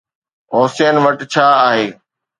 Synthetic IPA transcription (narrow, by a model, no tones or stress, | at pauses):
ɦʊːseːnʋɐʈt͡ɕʰaːaːɦeː